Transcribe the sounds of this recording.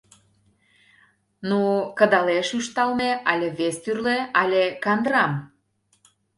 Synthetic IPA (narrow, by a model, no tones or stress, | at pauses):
nukə̆d̪ɑleʃyʃt̪ɑlmeʔɑlʲeβest̪yrleɑlʲekɑnd̪ɾɑm